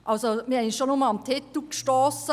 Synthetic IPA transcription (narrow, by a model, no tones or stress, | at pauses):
ʔɑlsomiɪnʃonʊməlɑmt̪ʰɪt̪l̩kʃtoːsə